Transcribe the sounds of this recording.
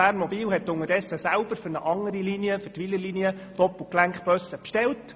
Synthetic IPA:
æːɾnmɔbiːlhɛtːʊŋəɾd̥ɛsːəsælb̥əɾfʏɾnəʔɑŋəɾiliniəfʏtʋiləliniə | d̥ɔpl̩klæŋkχb̥œsəpʃtɛlt

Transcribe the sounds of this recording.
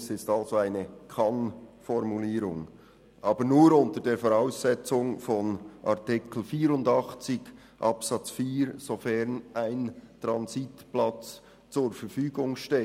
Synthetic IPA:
sɪstɑlzoaɪnəkʰɑnfɔɾmuliːɾʊŋ | ʔɑːbənuːɾʊntəɾdeːɾfoʁaʊsɛt͡sʊŋfɔnʔɑ̰ʁtɪkl̩fiːɾʊndɑχt͡sɪɡ | ʔɑpsɑt͡sfiːɾz̥ofɛʁnaɪntʁɑnzitplɑt͡s | t͡sʊːɾfɛɾfyːɡʊŋʃteː

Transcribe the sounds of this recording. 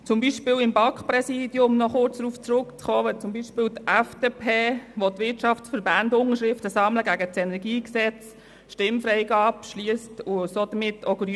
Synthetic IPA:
t͡sʊmbiʃpɪːlɪmbɑkχprɛsiːd̥jʊmnɔχʊɾt͡sd̥ɾuːft͡sɾʊkt͡sχɔːʋɛt͡sʊmbiʃpɪːwt̪æfd̥eːpʰeːʋot̪ʋɪtʃɑfsfəɾbændʊnəʃɾɪftəsɑmləɡæɡət͡sɛnɛɾɡiːksɛt͡s | ʃtɪmfɾɛɪɡɑːpʃliəstʊsoːd̥̪əmɪtʰːɔɡəɾ

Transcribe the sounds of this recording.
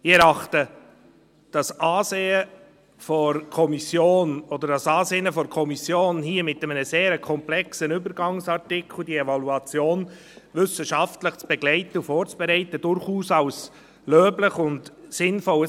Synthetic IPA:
ɪɛɾɑχtə | d̥ɑsʔɑːseːə | fɔɾkʰɔmisjoːnɔd̪əɾdɑsɑːseːnəfɔɾkʰɔmisjoːnhiːəmɪtɛmənəseːɾkʰɔmplɛksənʏbəɾɡɑŋsɑɾtɪkʰl̩diɛvɑluɑt͡sjoːn | ʋʏsəʃɑftləχt͡sb̥ɛɡlɛɪt̪əufɔːɾt͡sb̥ɛɾɛɪtəd̥ʊɾχuːsɑws | løːbləχʊntsɪnfɔl

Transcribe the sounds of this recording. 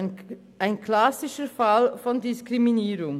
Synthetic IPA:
ʔaɪnkʰlasɪʃəfalfɔndɪskʁ̥iminiːɾʊŋ

